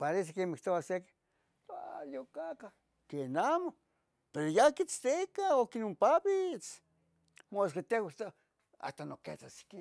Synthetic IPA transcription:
paɾes̬ekemikt̪oaseki̥ | ajokaka | kenamo | peɾojakit͡st̪ekaokinompaβit͡s | moskat̪ewat̪a | a̰t̪anokḛt͡sasi̥ki

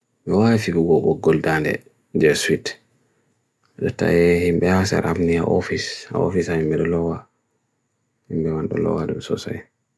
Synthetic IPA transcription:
mɛwawifibuɡɔɡɔɡːɔldandɛ̰ | d͡ʒɛswit | aɗɔta̰jɛhimbɛhasa̰ɾʔamniaʔofisa̰o̰fisahimbɛɗɛlɔwa | himɓɛwanɗɔ̰lɔ̰wadumsɔsɔɛ

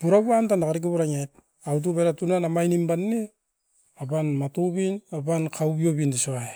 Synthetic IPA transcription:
buɾabuantanakaɾiɡuβuɾaŋajt̚ | awt̬ubeɾatunanamajnimbanːe | abanmatubinabankʰawbiobindisoae

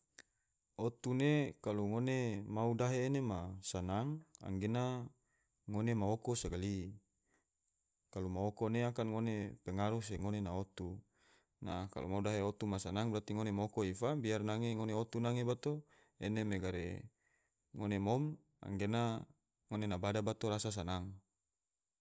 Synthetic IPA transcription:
ot̪unekaluŋonemaudaɦeːnemasanaŋa̰ŋɡenaː | onemaokosaɡali | kalumaokoneakanŋonepeŋaɾus̬eŋonenaot̪u | na̰ka̰lʔo̰maudaɦeot̪umasanaŋbɾat̪iŋonemaokoifabiarnaŋeŋoneot̪unaŋebat̪o | enemeɡaɾḛ | ŋonemom | a̰ŋɡena | ŋonenabadabat̪oɾasas̬anaŋ

